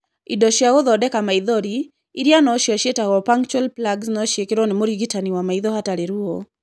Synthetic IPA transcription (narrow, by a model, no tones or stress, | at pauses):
idɔʃjaoðɔdɛkamaiðɔɾiː | ɾjanɔʃiaʃetaɔpaŋt͡ʃwɛlplaɡsnɔʃekɪɾɔnɪmoɾiɡitaniwamaiðɔhataɾɛɾuo